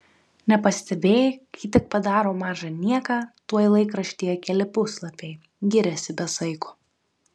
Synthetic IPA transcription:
nʲɛpɐsʲt̪ʲɛbʲeːjɪkɐɪt̪ʲɪk̚pɐd̪ɑːɾoːmɑːʒɐnʲiɛkɑːt̪uɔjlˠɐɪkɾɐʃʲt̪ʲiːjɛkʲɛlʲɪpʊslˠɐpʲɛɪ | ɡʲɪɾʲɛsʲɪbʲɛsɐɪkʊː

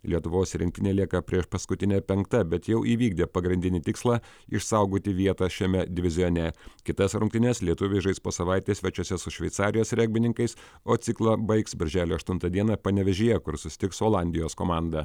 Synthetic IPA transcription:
lʲiɛt̪ʊʋoːsɾʲɪ̃ŋk̚t̪ʲɪnʲeːlʲiɛkɐpʲɾʲiɛʃpɐskʊt̪ʲɪnʲɛpʲɛŋkt̪ɐbʲɛt̪jɛʊʔiːʋʲiːɡ̚d̪ʲeːpɐɡɾʲɪnʲd̪ʲɪnʲɪt̪ʲɪkslˠɑːɪʃsɐʊɡoːt̪ʲɪʋʲiɛt̪ɑʃʲɛmʲɛd̪ʲɪʋʲɪzʲɪjoːnʲɛkʲɪt̪ɐsɾʊŋkt̪ʲɪnʲɛslʲiɛt̪ʊʋʲɪʒɐɪspoːsɐʋaˑɪt̪ʲeːsʲʋʲɛt͡ʃʲusʲɛsʊʃʲʋʲɛɪt̪sɑːɾʲɪjoːsɾʲɛɡ̚ʲbʲɪnʲɪŋkɐɪs | oːt̪sʲɪklˠɑbɐɪksbʲɐɾʲʒʲæːlʲoːɐʃt̪ʊnt̪ɐd̪ʲiɛnɐpɐnʲɛʋʲɛʒʲɪjɛkʊɾsʊsʲɪ̥t̪ʲɪksoːlˠɑnʲd̪ʲɪjoːskoːmɑːˑnd̪ɐ

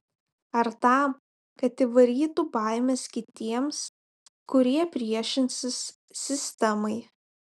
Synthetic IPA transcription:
ɐɾt̪ɐˑm | kɐt̪iʋɐɾʲiːt̪ubɑˑɪmʲɛskʲɪt̪ʲiɛms | kʊɾʲiɛpʲɾʲiɛʃʲɪnʲsʲɪs | sʲɪsʲt̪ʲɛmɐɪ

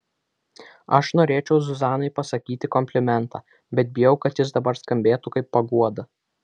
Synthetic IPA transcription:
ɐʃnoːɾʲeːt͡ʃʲɛʊzʊzɑːnɐɪpɐsɐkʲiːt̪ʲɪkɔmʲpʲlʲɪmʲɛnt̪ɑː | bʲɛt̪̚bʲɪjɛʊkɐt̪jɪsd̪ɐbɐɾskɐmʲbʲeːt̪ukɐɪpːɐɡuɔd̪ɐ

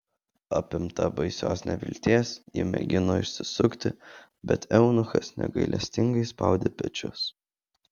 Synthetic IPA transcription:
ɑpʲɪmt̪ɐbɐɪsʲo̰ːsnʲɛʋʲɪ̰lʲt̪ʲeːsjɪ̰mʲɛ̰ɡʲɪnoːɪʃʲsʲɪsʊkt̪ʲɪ | bʲɛt̪ɛʊnʊxɐsnʲɛ̰ɡɐɪlʲʔɛ̰sʲt̪ʲɪŋɡɐɪspɑ̰ˑʊd̪ʲeːpʲɛt͡ʃʲʊ̰s

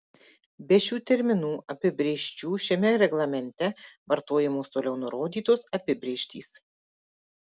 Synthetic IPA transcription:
bʲɛʃʲuːt̪ʲɛɾʲmʲɪnuːʔɐpʲɪbʲɾʲeːʃʲt͡ʃʲuːʃʲɛmʲɛɾʲɛɡlˠɐmʲɛnʲt̪ʲɛʋɐɾt̪oːjɛmoːst̪oːlʲɛʊnʊɾoːd̪ʲiːt̪oːsɐpʲɪbʲɾʲeːʃʲt̪ʲḭːs

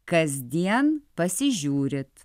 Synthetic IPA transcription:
kɐzʲd̪ʲiɛnpɐsʲɪʒʲuːɾʲɪt̪

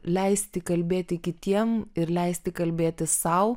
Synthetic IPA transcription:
lʲɛɪsʲt̪ʲɪkɐlʲbʲeːt̪ʲɪkʲɪt̪ʲiɛmɪɾlʲɛɪsʲt̪ʲɪkɐlʲbʲeːt̪ʲɪssɐʊ

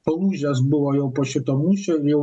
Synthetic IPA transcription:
ɔlˠuʑʲazbɨwɔjɔ̃wpɔɕʲit̪ɔmuɕɛijɔ

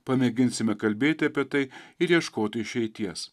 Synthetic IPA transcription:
pɐmʲɛɡʲɪnʲsʲɪmʲɛkɐlʲbʲeːt̪ʲɪɐpʲiɛt̪ɐɪɪɾjiɛʃkoːt̪ʲɪɪʃʲɛɪt̪ʲiɛs

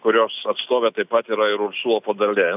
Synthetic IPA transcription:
kʊɾʲoːsɐt̪st̪oːʋʲɛt̪ɐɪpɐt̪iːɾɐɪɾʊɾsuɔpod̪ɐlʲɛ

